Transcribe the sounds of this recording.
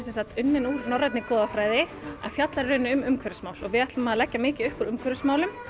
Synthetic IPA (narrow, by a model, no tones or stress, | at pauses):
sɛnsat̪ʏnːɪnuːɾnɔrajt̪nɪkɔːðafɾaːjðɪa̰fjat̪laɾrʏːnɪʏmʏmkʰœɾʏsmaːwlɔ̰ɣvɪðɛht̪lʏmaðlɛcːamɪːcɪðʏhpuɾʏmkʰvœɾɪsmaːwlʏm